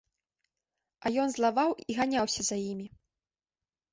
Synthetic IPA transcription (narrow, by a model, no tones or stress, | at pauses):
ajɔnzlˠavawiɣanʲawsʲɐzajimʲi